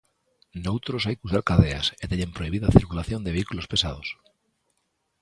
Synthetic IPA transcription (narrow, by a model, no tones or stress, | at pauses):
nowt̪ɾos̬ajkusaɾkaðe̞a̰set̪eʎempɾo̞iβ̞iðaθiɾkulaθjo̞nd̪e̞βeikulo̞spe̞sað̞os